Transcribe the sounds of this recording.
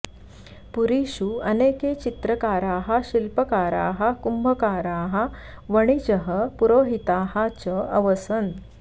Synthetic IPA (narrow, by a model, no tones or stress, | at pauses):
puɾiɕuəneket͡ɕit̪ɾəkaːɾaːɦɐɕilpəkaːɾa̰ːɦakumbʱəkaːɾaːɦɐʋəɽ̃it͡ɕəɦəpuɾoːɦit̪aːɦat͡ɕəəʋəsən